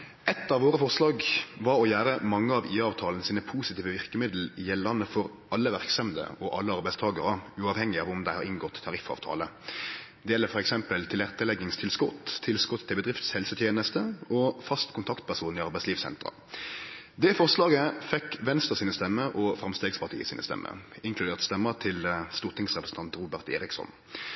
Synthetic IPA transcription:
ɛt̪ːɑʋoːʁəfɔʁslɑːɡʋɑɾɔjæːɾəmɑŋːəɑʋiːɑːʋt̪ʰɑːlənəsiːnəpʰuːsɪt̪ʰiːʋəʋɪʁkəmɪd̪l̩jɛlːɑnːəfɔɾ | ɑlːəʋæʁksɑmd̪ə̰ɔʔɑ̰lːəɑɾbæɪst̪ʰɑːɡəɾəʉːɑːʋhɛŋːɪɑːʋʊmd̪æɪhɑɾɪŋɡɔt̪ʰːɑɾɪfɑ̰ːʋt̪ʰɑ̰ːlə | d̪ɛjɛlːəfɔɾɛksɛmpəlt̪ʰɪlæʁt̪əlɛɡɪŋst̪ʰɪlskɔt̪ʰːɪlskɔt̪ʰːɪlbəd̪ʁɪft̪shɛlsət̪ʰjeːnəst̪əɔfɑst̪kʰʊnt̪ʰɑkt̪̚pʰæʁsuːnɪɑʁbæɪtsliːʋsɛ̰nt̪ʁə̰ | d̪ɛfɔʁslɑːɡəfɛkːʋɛnst̪ʁəsiːnəst̪ɛmːəɾʔɔfɾɑmst̪eːɡspʰɑʁt̪ḭːəsḭːnə̰st̪ɛ̰mːʔə̰ɪŋkʰlʉd̪eːʁt̪st̪ɛmːəʁt̪ʰɪlst̪uːʁt̪ʰɪŋsʁɛpɾəsn̩t̪ʰɑnt̪ɾuːbæʁt̪ḛːɾɪksɔ̰n

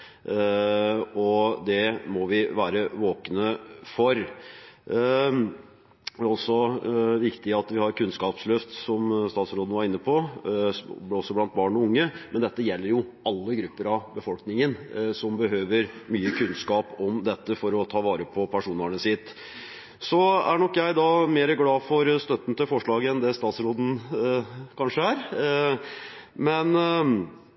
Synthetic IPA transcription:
ɔd̪ɛmɔʋɪʋæːɾəʋoːkənəfɔɾ | æɾɔsɔʋɪkt̪ɪɑt̪ʋɪhɑɾkʉnskɑːpslʉft̪sɔmst̪ɑːt̪sɾoːd̪ənʋɑɾɪnːəpʰɔ | ɔsːɔblɑnt̪̚bɑːɳɔʊŋːəmɛnd̪ɛt̪ːəjɛlːəɾjʊɑlːəɡɾʉpːəɾɑʋbəfɔlknɪŋənsɔmbəɦøːʋəɾmyːəkʰʉnskɑːpɔmd̪ɛt̪ːəfɔɾɔt̪ʰɑːʋɑːɾəpʰɔpʰæʂuːnəɳəsɪt̪ː | sɔæɳɔkːjæɪd̪ɑmeːɾəɡlɑːfɔɾst̪œt̪ːn̩t̪ʰɪlfɔʂɭɑːɡəɛnd̪ɛst̪ɑːt̪sɾoːd̪n̩ | kʰɑnʂəæɾ | mɛn

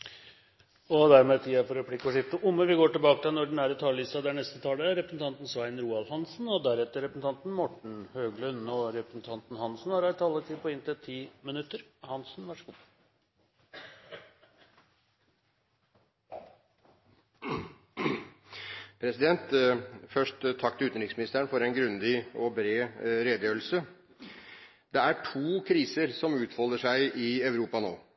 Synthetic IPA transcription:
ɔd̪æɾmeːt̪ʰiːɑfɔɾɾɛpʰlɪkːəɔʂɪft̪əʔʊmːəʋɪɡoːʈɪlbɑːkət̪ʰɛnɔɖɛn̩æːɾət̪ʰɑːlliːst̪ɑd̪æɳɛst̪ət̪ʰɑːləɾɛpɾsn̩t̪ɑnt̪n̩sʋæɪnɾuːɑlhɑnsnɔd̪æɾɛt̪ːəɾɛpɾəsn̩t̪ɑnt̪n̩mʊʈɳ̩høːɡlœnɔɾɛpɾəsn̩t̪ʰɑnt̪n̩hɑnsn̩hɑɾæɾt̪ʰɑlːət̪ʰɪːpʰɔɪnt̪ɛt̪ʰːiːmɪnʉt̪ːəɾhɑnsn̩ʋæʂəɡuː | pʰɾɛsɪd̪ɛnt̪fœʂʈt̪ʰːɑkt̪ʉːt̪nɾɪksmɪnɪst̪əəɳfɔɾɛnɡɾʉnd̪ɪɔbɾeːɾeːd̪əjøːl̩sə | d̪ɛæʈʰuːkʰɾiːsəɾsɔmʉːt̪fɔləʂæɪʔɪɑʉɾuːpɑno̰ː

